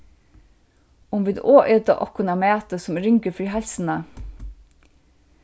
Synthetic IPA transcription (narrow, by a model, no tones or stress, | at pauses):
ʊmʋɪd̪oːʔʏd̪ə̰ʔɔkʰʊnɑmeːt̪əsɔmɾʏŋkəfɹiːhɛlsn̩ə